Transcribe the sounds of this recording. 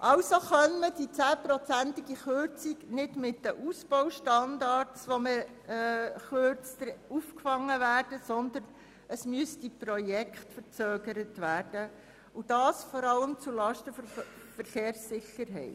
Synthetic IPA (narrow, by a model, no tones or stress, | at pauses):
ʔɑʊsoχœnməd̥it͡sæːpɾɔt͡sænt̪ɪɡ̥iχøɾt͡siɡnɪdmɪtːəʔusb̥ɔwʃtɑndɑɾtsʋomə | χøɾt͡stəɾufkfɑŋːəvæːrd̥əsɔnd̪ərn | əsmyəsdiprɔjɛkχtfəɾt͡søːɡəɾətʋæːrd̥ə | ud̥ɑːsfɔɾɑləmt͡sulɑʃtəfɔ | fəɾχeːɾsːɪxːəɾɦɛ̰ɪt